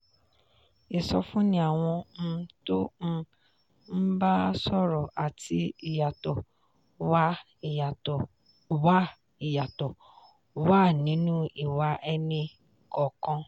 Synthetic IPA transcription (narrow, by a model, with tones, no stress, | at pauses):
e˨sɔ˧fũ˦nĩ˦a˦˨w̃ɔ̃˧to˦n̩˧ | m̩˦ba˦sɔ˦ɾɔ˨ʔa˨ti˧i˨ja˨tɔ˨ | wa˦˨ | a˨ | wa˦ | i˨ja˨tɔ˨ | wa˦˨nĩ˨˦nũ˦i˨wa˨˦ʔɛ˧nĩ˧ | kɔ˨kɔ̃˧